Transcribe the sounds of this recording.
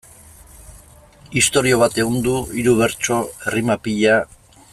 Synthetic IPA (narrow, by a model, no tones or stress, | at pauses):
ist̪o̞ɾio̞β̞at̪e̞ɣond̪uiɾuβe̞ɾt͡ʃo̞erimapiʎa